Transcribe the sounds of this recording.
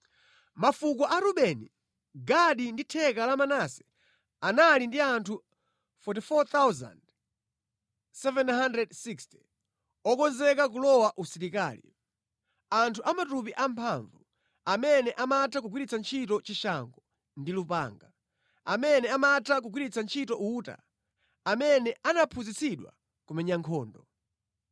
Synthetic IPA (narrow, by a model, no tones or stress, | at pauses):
mafuk̬wɔʔaɾuɓɛni | ɡaɗinditʰɛkalamanasɛ̥ | analindiantʰu | fɔt̬ifɔt̪awza̰nd | sɛvɛnhandɾɛdsiksti̥ | ɔkɔnzɛkak̬ulɔwaʔusiɾika̰ːlḭ | antʰuʔamatupiʔampʰaɱvu | amɛnɛʔamatʰak̬uɡwiɾit͡sʰant͡ʃʰitɔt͡ʃiʃaŋɡɔ | ndilupa̰ːŋɡa | a̰mɛnɛamatʰak̬uɡwiɾit͡sʰant͡ʃʰitɔʔuːta̰ | amɛnɛʔanapʰuzit͡siɗwa̰ | kumɛɲaŋkʰɔːndɔ